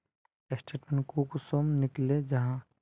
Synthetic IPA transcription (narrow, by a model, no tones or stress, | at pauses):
esʈeːʈmẽnkukusoːmnɪkled͡ʒɐɦã